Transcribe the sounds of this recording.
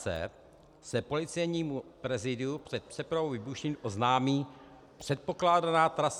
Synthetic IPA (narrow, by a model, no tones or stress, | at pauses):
ɛ̰ | sɛpo̞lɪt͡sɛjɲiːmupɾɛzɪdɪupr̝̥ɛt̪̚pr̥ɛpɾavowvɪbuʃiːmʔo̞znaːmiː | pr̝̥ɛt̪̚po̞klaːdanaːt̪ɾas